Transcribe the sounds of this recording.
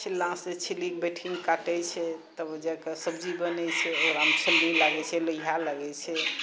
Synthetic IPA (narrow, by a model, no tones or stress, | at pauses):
t͡ʃʰilːãset͡ʃʰilikbeʈʰiŋɡkaʈɛt͡ʃʰɛt̪əbd͡ʒɛkəsəbd͡ʒibənɛt͡ʃʰɛoɾaɦmt͡ʃʰəlːilaɡɛt͡ʃʰɛləiɦalaɡɛt͡ʃʰɛ